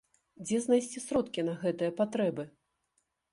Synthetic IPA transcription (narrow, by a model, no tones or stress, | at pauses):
d͡zʲɛznajsʲt͡sʲisɾɔt̪kʲinɐɣɛt̪ɨjɐpat̪ɾɛbɨ